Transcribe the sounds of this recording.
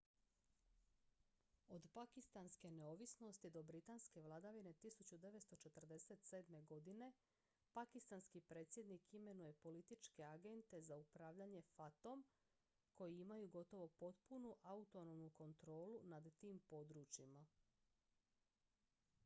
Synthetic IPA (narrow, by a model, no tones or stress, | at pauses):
o̞d̪pakist̪anske̞ne̞o̞ʋisno̞st̪id̪o̞bɾit̪anske̞ʋlˠad̪aʋine̞t̪isut͡ɕud̪e̞ʋet̪st̪o̞t͡ʃe̞t̪r̩d̪e̞se̞t̪seːd̪me̞ɡo̞d̪ine̞ | pakist̪anskipɾe̞ːt̪sʲjed̪nikime̞nuje̞po̞lit̪it͡ʃke̞aɡe̞nt̪e̞zaupɾaːʋʎaɲe̞fat̪o̞m | ko̞jiimajuɡo̞t̪o̞ʋo̞po̞t̪̚punuʔaut̪o̞nomnuko̞nt̪ɾo̞ːlunad̪t̪iːmpo̞d̪ɾuːt͡ɕima